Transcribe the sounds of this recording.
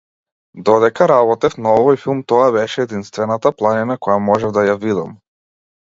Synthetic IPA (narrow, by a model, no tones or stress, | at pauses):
d̪ɔd̪ɛkaɾaβɔt̪ɛfnaɔvɔjfilˠmt̪ɔaβɛʃɛːd̪inst̪vɛnat̪aplˠaninakɔjamɔʒɛvd̪ajavid̪am